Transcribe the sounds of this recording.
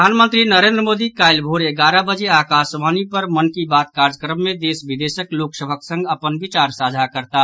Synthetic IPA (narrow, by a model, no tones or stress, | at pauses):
aːnmə̃nt̪ɾinəɾẽːnd̪ɾəmoːd̪ikaːɪlbʱoːɾeɡaːɾabəd͡ʒeaːkaːsʋaːnipəɾmənkibaːt̪kaːɾd͡ʒəkɾəmːẽd̪eːsʋid̪eːʃəkloːksəbʱəksə̃ŋɡəpənʋɪt͡ʃaːɾsaːd͡ʒʱakəɾt̪a